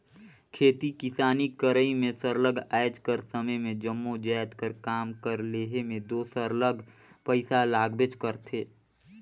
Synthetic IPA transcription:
kʰeːt̪ikɪsaːnikəɾəimẽsəɾləɡaːjd͡ʒkəɾsəməjmẽd͡ʒəmːod͡ʒɛːt̪kəɾkaːmkəɾleːɦemẽd̪oːsəɾləɡʱpəɪsalaːɡbɪt͡ʃkəɾt̪ʰeː

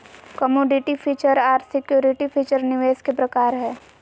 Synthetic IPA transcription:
kɐmoːɖɪʈipʰiːt͡ʃəɾaːɾsɪkjuːɾɪʈipʰiːt͡ʃəɾnɪʋeːskepɾɐkaːɾɦɛː

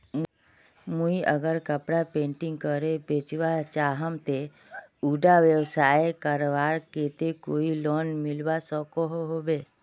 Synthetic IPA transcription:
muiʔəɡəɾkəpɽapẽːɳʈɪ̃ŋɡ̚kəɾebeːt͡ʃʋat͡ʃaːɦəmt̪e | uːɖaʋjəwsaːekaɾʋaːɾkeːt̪ekoːiloːnmɪlʋasɔkoɦoɦoːbeː

